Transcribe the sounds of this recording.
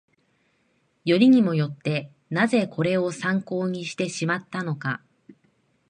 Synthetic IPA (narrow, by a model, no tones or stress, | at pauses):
jo̞ɾʲiɲ̟imo̞jo̞t̪ːe̞ | naze̞kʰo̞ɾe̞o̞sãŋko̞ːɲ̟iɕi̥t̪e̞ɕimat̪ːano̞ka̰